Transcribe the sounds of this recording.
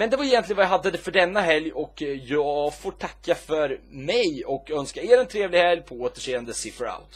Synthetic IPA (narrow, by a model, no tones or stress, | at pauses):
mɛnd̪ɛvaɾɪjɛnt̪lɪənvajaɦad̪ːəd̪ɛfœɖɛnːaɦɛljɔkjɑːɡfoːʈʰakːafœɾmɛjɔkœnskaeːɾɛnt̪ʰɾeːvlɪɡhɛljpʰɔoːt̪əʂeːənd̪əsɪfəɾa̰ʊt̪